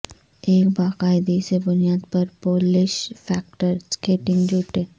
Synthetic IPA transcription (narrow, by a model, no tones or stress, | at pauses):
eːkbaːqaːɪd̪isebʊnijaːd̪pɐɾpoːlɪʃfʰɛːk̚ʈəɾskeːʈɪ̃ŋɡd͡ʒuːʈeː